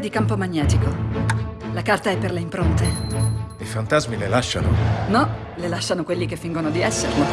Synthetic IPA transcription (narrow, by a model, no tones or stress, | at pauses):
d̪ikampomaɲːɛːt̪iko | lakart̪aɛpːerleimpɾont̪e | ifant̪azmilelaʃːa̰no̰nɔ | lelaʃːanokwelːikefːiŋɡonod̪iɛsːerlo